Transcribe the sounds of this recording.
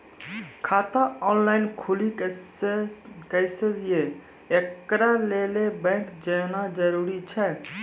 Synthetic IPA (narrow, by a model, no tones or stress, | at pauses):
kʰaːt̪aɔːnlaːɪnkʰʊli | kəjsee | ekɾaːleːlebɛ̃ːŋkd͡ʒeːnaːd͡ʒəɾuːɾit͡ʃʰɛː